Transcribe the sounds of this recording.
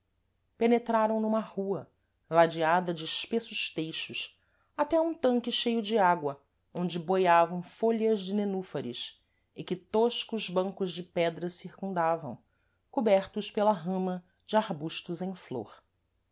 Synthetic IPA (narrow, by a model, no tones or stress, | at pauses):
penet̪ɾaɾɐ̃w̃nũmɐhuɐ | lad͡ʒiad̪ɐd͡ʒɪʃpesʊʃt̪ejʃʊʃ | at̪ɛũt̪ɐ̃ŋkɪʃejʊd͡ʒɪaɡwɐ | õnd͡ʒɪbojavɐ̃w̃foʎɐzd͡ʒɪnenufɐɾis | ɪkɪt̪oʃkʊzbɐ̃ŋkʊzd͡ʒɪpɛd̪ɾɐsiɾkũnd̪avɐ̰̃w̃ | kubɛɾt̪ʊspelɐɦɐ̃mɐ | d͡ʒɪaɾbuʃt̪uzẽj̃flo̰ɾ